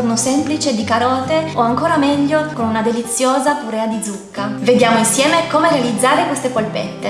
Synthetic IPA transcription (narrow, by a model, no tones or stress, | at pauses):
rnosɛmplit͡ʃed̪ikaɾɔːt̪eoaŋkoːɾamɛʎːokonunad̪elit̪sːjoːzakuɾɛːad̪id̪zukːaved̪jaːmoinsjɛːmekomeɾealid̪zːaːɾekwest̪epolpḛt̪ːe